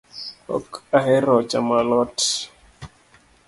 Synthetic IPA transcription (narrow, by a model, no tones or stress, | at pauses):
hɔ̰kaɦɛɾɔt͡ʃamalɔt